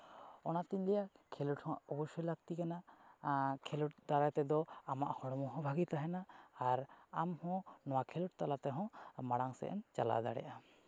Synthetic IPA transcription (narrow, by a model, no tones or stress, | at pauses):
ɔnat̪iɲlɛjakʰeluʈhɔ̃ɔbɔʃɔjlak̚t̪ikana | kʰeluʈ̚d̪aɾat̪ɛd̪ɔamaʔhɔɽɔmɔɦɔ̃bʱaɡit̪aɦɛnaːɾamhɔ̃nɔwakʰeluʈ̚t̪alat̪ɛɦɔ̃maɽaŋsɛ̰ʔɛ̰nt͡ʃa̰la̰d̪a̰ɽɛ̰ʔa